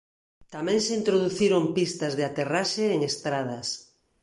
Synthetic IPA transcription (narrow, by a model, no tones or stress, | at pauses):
t̪amɛ̃ŋseint̪ɾoðuθiɾompist̪ɐzðeat̪eraʃeːŋest̪ɾað̞ɐs